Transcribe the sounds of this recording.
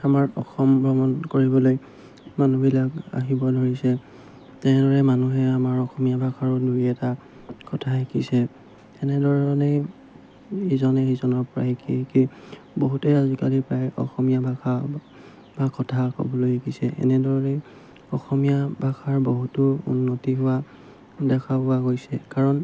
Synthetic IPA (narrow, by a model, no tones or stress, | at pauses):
amaɹɔxɔmbʱɹɔmɔnkoɹibɔloj | manubilaka̰ɦibɔdʱoɹisɛ | tɛnɛdɔɹɛmanuɦɛamaɹɔxɔmijabʱakaɹʊdujɛta | kɔtʰaɦekisɛ | ɛnɛdɔɹne | izɔnɛizɔnɔɹpɔɹa̰ɦekʰḭki | boɦutɛazikalipɹajɔ̰xɔmijabʱakʰa | bakɔtʰakɔ̰bɔlojɦekʰisɛʔɛ̰nɛdɔɛ | ɔxɔmijabʱakʰaɹboɦutʊṵnːotiɦʊwa | dɛkʰapʊaɡojsɛ̰kaɹɔn